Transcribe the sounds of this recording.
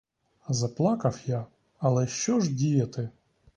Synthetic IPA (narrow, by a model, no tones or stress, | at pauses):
zɐplˠɑkɐwja | ɐlˠɛʃt͡ʃɔʒdʲijɐt̪ɪ